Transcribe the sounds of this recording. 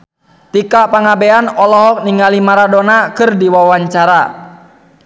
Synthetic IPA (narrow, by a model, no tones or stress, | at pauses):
t̪ikapaŋabɛanɔlɔɦɔk̚niŋɡalimaɾadɔnakɨrdiwawaɲt͡ʃaɾa